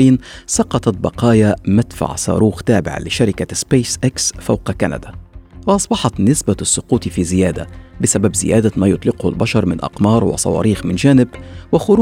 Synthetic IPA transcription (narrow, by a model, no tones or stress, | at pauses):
iːnsɑqɑt̪ˤɑt̪̚bɑqɑːjamat̪fa̰ʕsˤɑ̰ːɾuːxt̪aːbɪ̰ʕa̰lɪʃaɾɪkaspeːsʔaksfawqɑkana̰d̪awɪʔɑsˤbɑħɑt̪nɪsbasːʊquːt̪fiːzɪjaːd̪a̰bɪsababzɪ̰ja̰ːd̪amaːjʊt̪ˤlɪqhʊ̰lbɑʃɑɾˤmɪnʔɑ̰qmɑːɾˤwɪ̰sˤɑ̰wɑ̰ːɾiːxmɪnd͡ʒæːnɪbwɪxʊɾ